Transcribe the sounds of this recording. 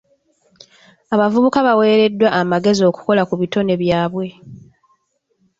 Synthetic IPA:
aβavuβukaβawe̞ːɾe̞dːwaːmaɡe̞zio̞ːku̥ko̞lakuβito̞ne̞βjaːβwe̞

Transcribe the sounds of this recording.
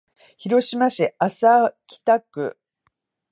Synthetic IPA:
çiɾo̞ɕimaɕiasakʲi̥t̪akɯ̟̰

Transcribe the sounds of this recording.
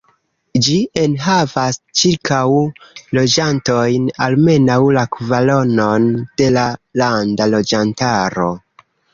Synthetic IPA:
d͡ʒie̞nɦavast͡ʃiɾkʰawlo̞d͡ʒanto̞jnalme̞nawlakvalo̞no̞nd̥e̞lalandalo̞d͡ʒantaɾo̞

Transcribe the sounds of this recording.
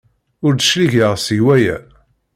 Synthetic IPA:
ʊɾd̪əʃliʝəʁsiwæjæ̰

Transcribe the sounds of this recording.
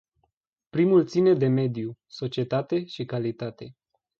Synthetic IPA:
pɾimult̪sine̞d̪e̞me̞d̪juso̞t͡ʃie̞t̪at̪e̞ʃikalit̪at̪e̞

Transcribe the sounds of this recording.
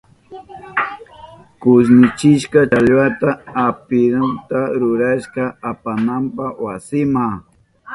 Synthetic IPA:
kʊs̬nɪt͡ʃɪʃkaaʎwat̪aapɪɾant̪aɾʊɾaʃkaapanampawasɪma

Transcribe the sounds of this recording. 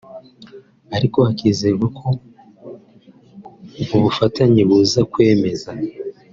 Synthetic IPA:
aɾiko̞hakiːze̞ɡwekʰo̞ | uβufataɲiβuzakwe̞ːme̞za

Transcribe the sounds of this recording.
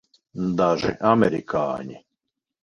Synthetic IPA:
d̪aʒɛ̰ʔamɛɾikʰa̰ːɲi

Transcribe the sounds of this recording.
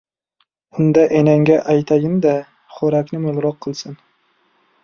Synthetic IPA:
ʊnd̪aʔenaŋɡʲaʔajt̪ʰaɡʲɪmd̪a | χoɾakʲnɪmʊlˠɾɒqʰːɨlˠsɪn

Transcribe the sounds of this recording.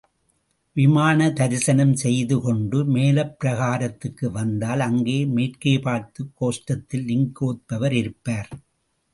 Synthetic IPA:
ʋɪmaːnɐt̪ɐɾɪsɐnɐmsɛjðɯkɔɳɖɯmeːlɐpːɪɾɐɣaːɾɐt̪ːɯkːɯʋɐnd̪aːlɐŋɡeːmeːrkeːpaːɾt̪ɯkːoːsʈɐt̪ːɪlnɪŋkoːt̪̚pɐʋɐɾɪɾɯpːaːɾ

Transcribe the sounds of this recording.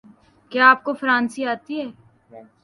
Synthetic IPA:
keaːp̚kofəɾãːnsiaːt̪iɦɛː

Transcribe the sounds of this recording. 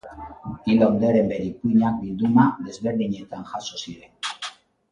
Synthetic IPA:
iloond̪aɾe̞mbe̞ɾikuiɲak̚bild̪umaðe̞zβe̞ɾðiɲe̞t̪anʝaso̞siɾe̞n

